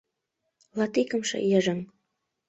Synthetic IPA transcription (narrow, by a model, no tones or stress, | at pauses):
lɑt̪ikə̆mʃɤ̰jəʒə̆ŋ